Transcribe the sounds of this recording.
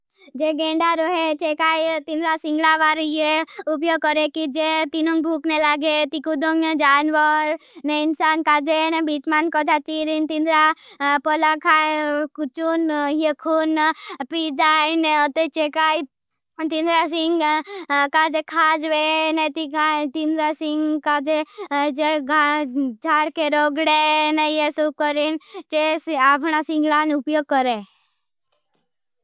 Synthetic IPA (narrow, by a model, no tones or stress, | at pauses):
d͡ʒeɡẽːɳɖaɾoɦet͡ʃekaːit̪ind̪ɾasĩŋɡlaʋaɾjeup̬joɡ̚kɔɾekid͡ʒet̪inuŋɡbʱuknelaɡet̪ikud̪oŋed͡ʒaːnʋəɾneɪnsaːnkad͡ʒenebiːt͡ʃmaːnkɔd͡ʒat͡ʃiɾint̪ĩnd̪ɾapɔlakʰaːekut͡ʃunɦiekʰunpid̪aineɔt̪et͡ʃekai | t̪ĩnd̪ɾas̬iŋɡ | kad͡ʒekʰad͡ʒʋenet̪iat̪ind̪ɾasiŋɡkad͡ʒed͡ʒeɡʱat͡ʃaːɾkeɾoɡɽenejesukɔɾint͡ʃesapnasĩŋɡlanupjoɡ̚kɔɾe